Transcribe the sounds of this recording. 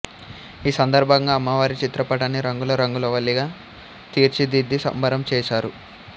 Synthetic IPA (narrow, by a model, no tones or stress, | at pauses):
iːsɐnd̪ɐɾbʱɐŋɡaːmːɐʋaːɾit͡ʃit̪ɾɐpɐʈɐniɾɐŋɡulɐɾɐŋɡulɐʋɐlːiɡaː | t̪iːɾt͡ʃid̪id̪ːisɐ̰mbɐɾɐmt͡ʃɛːʃaːɾu